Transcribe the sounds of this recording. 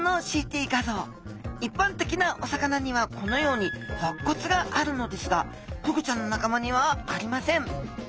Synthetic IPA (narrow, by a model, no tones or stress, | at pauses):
no̞ɕiːt̪ʲiːɡazo̞ː | ipːãnt̪e̞kʲinaʔo̞sakanaɲ̟iβakʰo̞no̞jo̞ːɲ̟ihokːo̞t͡sɨɡaʔaɾɯ̟no̞d̪e̞sɨɡa | kokɯ̟t͡ɕãnːo̞nakamaɲ̟iβ̞aːɾʲimasẽ̞ɴ